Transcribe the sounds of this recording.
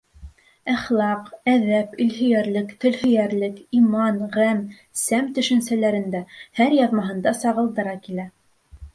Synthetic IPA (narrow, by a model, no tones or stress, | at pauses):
æχlˠɑqæðæpɵ̆lɦɵ̆jæɾlɘkt̪ɵ̆lhɵ̆jæɾlɘkimɑnʁæm | sæmt̪ɵ̆ʃɘ̆nsælæɾɘ̆nd̪æhæɾjɑðmɑɦɤ̆nd̪ɑsɑʁɤ̆lˠd̪ɤ̆ɾɑkilæ